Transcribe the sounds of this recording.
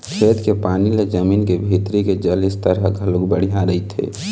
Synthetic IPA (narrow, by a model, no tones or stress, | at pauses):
kʰeːt̪kepaːniled͡ʒəmiːnkebʱiːt̪ɾiked͡ʒəlɪst̪əɾəɡʱɐluɡbəɽ̤ijãɾəit̪ʰḛː